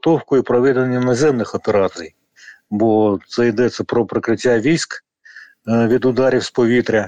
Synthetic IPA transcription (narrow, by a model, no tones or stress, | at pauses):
t̪ɔwkʊipɾɔʋɛd̪enʲːɐnɐzʲɛmnɪxɔpeɾɑt̪sɨj | bɔt̪sɛjd̪ɛsʲːɐpɾɔpɾɪkɾɪtʲːaʋʲisʲk | ʋʲid̪ʊd̪ɑɾʲiwspɔʋʲit̪ɾʲɐ